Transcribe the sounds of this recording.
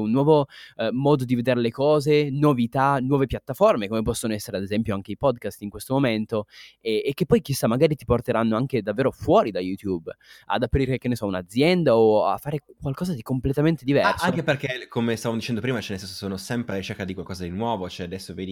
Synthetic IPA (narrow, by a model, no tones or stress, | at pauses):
unːwɔːvomɔːd̪od̪ived̪eɾelekɔːzenovit̪anwɔːvepjat̪ːaformekomepɔsːonoɛsːeɾead̪ezɛmpjoaŋkeipɔd̪kast̪iŋkwest̪omoment̪oɛekːepːɔjkisːamːaɡaːɾit̪iport̪eɾanːoaŋk̟ed̪avːeːɾofwɔːɾid̪ajut̪juba̰d̪apɾiɾeikenːesɔunad̪zːjɛnd̪aoa̰fːaːɾekwalkɔːzad̪ikomplet̪ament̪ed̪ivɛrsaoŋkeperkekomest̪avamod̪it͡ʃɛnd̪opɾiːmat͡ʃɛnːesɛnso̥soːnosɛmpɾeaɾit͡ʃerkad̪ikwalkɔːzad̪inwɔːvot͡ʃoɛad̪ɛsːoveːd̪i